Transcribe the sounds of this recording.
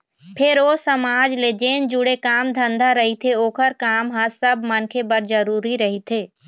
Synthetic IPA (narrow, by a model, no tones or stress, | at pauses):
pʰɪɾoːsəmaːd͡ʒled͡ʒeːnd͡ʒuɽekaːmd̪ʱə̃nd̪ʱaɾəɦit̪ʰeoːkʰəɾkaːmɦãsəbmənkʰebəɾd͡ʒəɾuːɾiɾəɦit̪ʰeː